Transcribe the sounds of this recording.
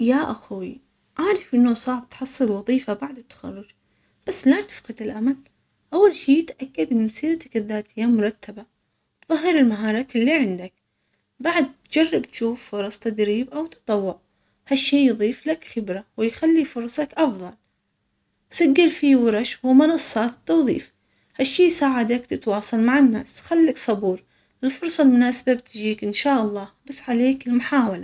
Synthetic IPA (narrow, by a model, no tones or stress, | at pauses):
jaʔaxwi | ʕaːɾˤɪfʔɪnːʊsˤɑːʕb̚t̪ħɑsˤːɨlwɑðˤiːfabaʕd̪ɪt̪ːḁxa̰rːʊd͡ʒ | b̥asːlat̪ɪ̥fqɪd̪ɪlʔamal | ʔawːalʃiːt̪ʔakːad̪ʔɪnːsˤiːɾt̪ḁkðːaːt̪ɪjːamʊɾˤɑt̪ːaba | t̪ðˤɑɦːɪɾɪlmaɦɑːɾˤɑːt̪ɪlːiʕɪnd̪ak̚ | baʕad̪̚t̪d͡ʒarˤːɪbt̪ʃuːfːʊɾˤɑsˤt̪ad̪ɾiːbʔawt̪ɨ̥t̪ˤɑwːʊʕ | haʃːeːjðˤiːflakxɪbɾawɪjxalːifʊɾˤsˤɑkʔɑfðˤɑl | wsaɡːɪlfiwɑɾˤɑʃwɪmʊnɑsˤːɑːt̪ɪ̥t̪ːɑwðˤḭːf | haʃːiːjsaːʕad̪akt̪ɪt̪wɑːsˤɑlmaʕɪnːa̰ːsxalːaksˤɑbuːɾ | ʔɪlfʊɾˤsˤɑlmʊnaːsababt̪d͡ʒiːkʔɪnʃaːʔɑlˤːɑːbasːʕaleːkɪlmʊħaːwala